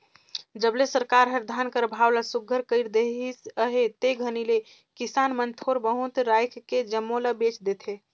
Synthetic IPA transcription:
d͡ʒəblesəɾkaɾɦəɾd̪ʱankəɾbʱawlasuɡʱəɾkəɪɾd̪eisəɦet̪eɡʱənile | kisanmənt̪ʰoɾbəɦut̪ɾajkʰked͡ʒəmːolabet͡ʃd̪et̪ʰe

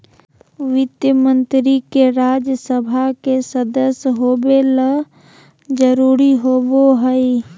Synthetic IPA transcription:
ʋɪt̪jəmə̃nt̪ɾikeɾaːd͡ʒjəsəbʱakesəd̪əsɦoːbelə | d͡ʒəɾuːɾiɦoːboɦəi

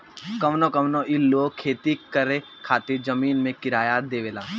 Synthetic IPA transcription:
kɐmnokɐmnoʔiloːkʰeːt̪ikəɾe | kʰaːt̪ɪɾd͡ʒɐmiːnmẽkɪɾaːjad̪eːʋeːlaː

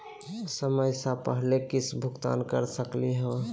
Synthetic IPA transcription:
səməjsapəɦlekɪsbʱʊkt̪a̰ːnkəɾsəkliɦɛ̃

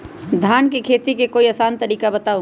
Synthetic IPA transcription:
d̪ʱaːnkekʰeːt̪ikekoːiəsaːnt̪əɾiːkabət̪aːo

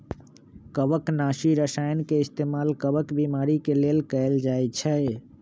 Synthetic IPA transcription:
kəbəknasiɾəsajnkeist̪emalkəbəkbimaɾikelelkəeld͡ʒajt͡ʃʰəj

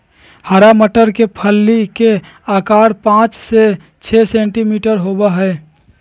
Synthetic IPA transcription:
həɾaməʈəɾkepʰəlːike | aːkaːɾpãːt͡ʃse | t͡ʃʰɛsẽːɳʈimiːʈəɾɦobaɦɛ

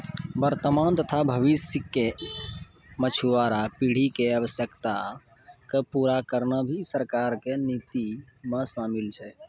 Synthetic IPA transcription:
bəɾt̪əmant̪ət̪ʰabʱəʋisikːe | mət͡ʃʰiʋaɾapiɽ̤ikeəʋəsjəkt̪a | kepuɾakəɾnəbʱisəɾkaɾkenit̪i | mẽsamilt͡ʃʰɛ

